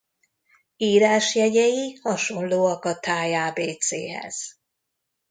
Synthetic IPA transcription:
iːɾaːʃjɛɟɛjihɒʃo̞nloːɒkɒt̪aːjaːbeːt̪sḛːɦɛ̰z̥

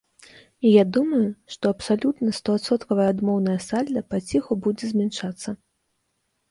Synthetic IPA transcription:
ijad̪umɐjuʂt̪ɔɐpsalʲut̪nɐst̪ɔːt̪sɔt̪kɐvɐjɐad̪mɔwnɐjɐsalʲd̪ɐpat͡sʲixubud͡zʲɛzʲmʲɛnʂat̪sːɐ

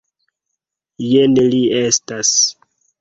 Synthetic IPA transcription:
jenliestas

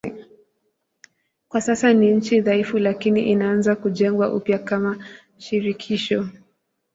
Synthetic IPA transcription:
kwasasaniɲ̩t͡ʃiðaifulakiniʔinaanzakuʄɛŋɡwaʔṵpjakama | ʃiɾikʰiʃɔ

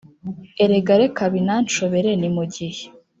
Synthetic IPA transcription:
eɾeɡaɾekaβinant͡ʃoβe̞ɾenimuɟihe

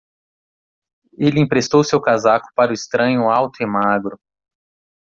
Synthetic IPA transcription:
elɪĩpɾest̪owsewkazakʊ̥paɾʊist̪ɾɐ̃ɲʊawt̪ʊemaɡɾʊ

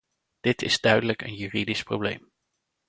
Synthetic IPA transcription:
d̥ɪtʰɪ̰zdœɥdələkə̰njyːridispro̰blḛjm

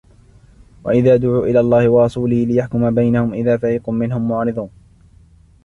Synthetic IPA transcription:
wʔa̰ʔɪðaːd̪ʊʕuːʔɪlaːlˤːɑːhɪwɑɾˤɑsuːlɪhlɪjaħkʊmabajnahʊmʔɪðaːfaʕiːqʊmːɪnhʊmːʊʕɑːɾɨd̪ˤuːn

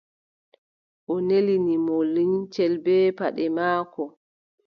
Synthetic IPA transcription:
ʔɔnelinimolːiɲt͡ʃɛlbɛːpaɗɛmaːkɔ

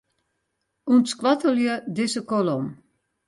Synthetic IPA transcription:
unskwatəljədɪsəkolɔm

